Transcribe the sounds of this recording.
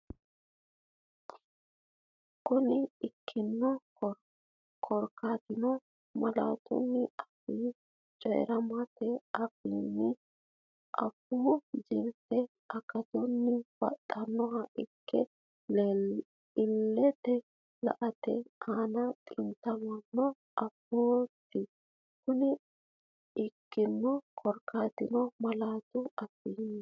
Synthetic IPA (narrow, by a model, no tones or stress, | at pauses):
kːɔnɪɪkʰːɪnːɔ | kʰɔɾkaːt̪ɪnɔ | mɐla̰ːt̪ɔ̰nːɪɐfiː | t͡ʃʼɔ̰ɾɐmɐt̪ɛɐfiːnːɪ | ʔɐ̰buːd͡ʒɪlt̪ːɛ | ɐkɐt̪ɔnːɪb̥ɐ̰t̪ʼːɐnːɔɦɐʔɪkʰːɛ | ɪlːɛt̪ɛ | lɐ̰ʔɐt̪ɛ̰anɐt̪ʼɪnt̪ɐmɐnːɔ | ʔɐpːoːt̪ːɪ | kʊnɪ | ɪkːɪnːɔkʰɔɾkaːt̪ɪnɔmɐlaːt̪ʊɐfːɪnː